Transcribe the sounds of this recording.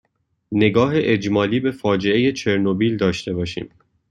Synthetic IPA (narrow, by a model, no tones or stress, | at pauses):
ne̞ɡɒːɦeʔed͡ʒmɒːliːbe̞fɒːd͡ʒe̞e̞je̞t͡ʃʰe̞ɾnobiːld̪ɒːʃt̪e̞bɒːʃḭːm